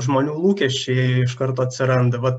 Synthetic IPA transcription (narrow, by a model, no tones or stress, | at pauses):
ʒmoːnʲuːlˠuːkʲɛʃʲt͡ʃʲɛɪɪʃkɐɾt̪oːɐt̪ʲsʲɪɾɐnd̪ɐʋɐt̪